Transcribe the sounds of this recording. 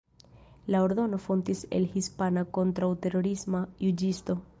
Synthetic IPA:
laoɾdo̞no̞font̪isḛlhispanakont̪ɾawte̞ɾoɾismajud͡ʒist̪o̞

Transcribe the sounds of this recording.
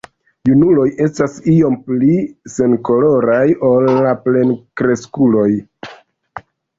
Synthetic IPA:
junulo̞je̞stasio̞mplise̞nko̞lo̞ɾajo̞lːaple̞nkɾe̞skulo̞j

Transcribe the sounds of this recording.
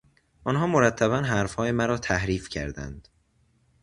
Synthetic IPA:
ʔɒnɦɒːmoɾæt̪ʰːæβænɦæɾfhɒːjemæɾɒːt̪ʰæhɾiːfcʰæ̰ɾd̪æ̰nd̪̥

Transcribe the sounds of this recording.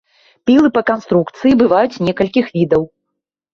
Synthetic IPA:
pʲilˠɨpɐkanst̪ɾukt̪sɨjibɨvajut͡sʲnʲɛkɐlʲkʲixvʲid̪ɐw

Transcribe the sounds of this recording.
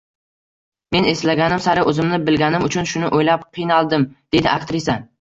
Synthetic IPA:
me̞ne̞slaɡʲanɪmsaɾɪʔɵzɪmnɪbɪlɡʲanɪmʊt͡ʃʰʊnʃʊnɪʔojlap̚qʰɨjnalˠd̪ɪmd̪̥e̞d̪ɪʔakt̪ɾisan

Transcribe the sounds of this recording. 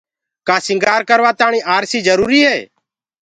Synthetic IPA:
kaːsɪ̃ŋɡaːɾkəɾʋaːt̪aːɳ̃iːʔaːɾsiːd͡ʒəɾuːɾiːɦɛː

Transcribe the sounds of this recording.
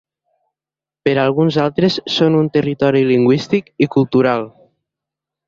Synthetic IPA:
pəɾalˠɣ̞unzalˠt̪ɾesːonunt̪ərit̪ɔɾiliŋɡwist̪ikikulˠt̪uɾalˠ

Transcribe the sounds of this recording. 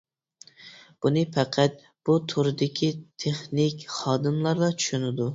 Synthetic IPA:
b̥unɨpʰɛqʰæt̪̚ | b̥ut̪ʰuɾɨd̪ɪkʲʰit̪ʰeχnɪkʲχɑːd̪ɨmlˠɑɾlˠɑt͡ʃʰy̥ʃynɪd̪u

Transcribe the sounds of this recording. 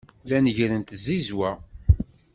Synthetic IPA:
ðænəʝɾənt̪zːizwæ

